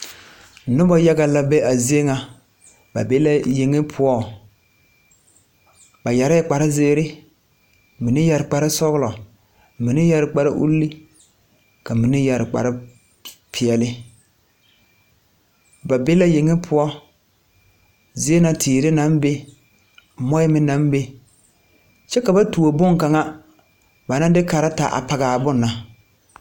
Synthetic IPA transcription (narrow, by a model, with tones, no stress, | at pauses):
nʊ˦bɔ˦ja˦ɡa˨la˦bɛ˦ʔa˨zi˦e˦ŋa˨ | ba̰˨be˦la˦je˨ŋɪ˦pʰʊ˦ɔ˦ | ba˨ja˨ɾa˦k͡pa˨ɾɪ˦zeː˦ɾɪ˦ | mi˨nɪ˦ja˨ɾɪ˨k͡pa˨ɾɪ˦sɔ˦ɣlɔ˨ | mi˨nɪ˦ja˦ɾɪ˨k͡pa˦ɾɪ̰˦ʔṵ˦lːi˦ | ka˨mi˨nɪ˦ja˨ɾɪ˨k͡pa̰˨ɾɪ˦ | pʰɪ˨ɛ˨lɪ˦ | ba˨be˦la˦jɪ˨ŋɪ˦pʰʊ˦ɔ˦ | zɪ˦e˦na˨tʰɪː˨ɾɪ˦na˨˦mbe˦ | mɔ˦jɪ˦mɪ˦na˦m˦be˦ | t͡ʃɛ˦ka˨ba˦tu˨o˨bʊ˦ŋka˨ŋa˦ | ba˨na˦dɪ˦ka˨ɾa˦ta˨ʔa̰˨pa˨ɣaː˨bʊ˦nːa˨